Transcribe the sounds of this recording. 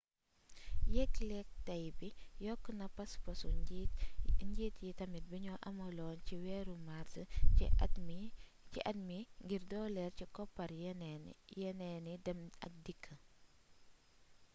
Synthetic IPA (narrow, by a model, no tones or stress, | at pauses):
jɛkːlɛk̚tɐjbijɔkːənɐpɐspɐsu | ɲɟiːtjitɐmit̚biɲɔʔɐmɐlɔːnciwɛːɾumaɾtə | ciʔɐtmiŋɡiɾdɔːlɛrcikɔpːɐɾ | jɛnɛnidɐmɐ̰k̚dikʰːə